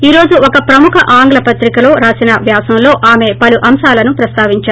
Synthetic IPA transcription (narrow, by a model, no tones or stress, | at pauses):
iːɾo̞ːd͡ʒuɔkɐpɾɐmukʰɐʔaːŋɡlɐpɐt̪ɾikɐlo̞ːɾaːsinɐʋjaːsɐmlo̞ːʔaːme̞ːpɐluʔɐmʃaːlɐnupɾɐst̪aːʋiɲt͡ʃaːɾ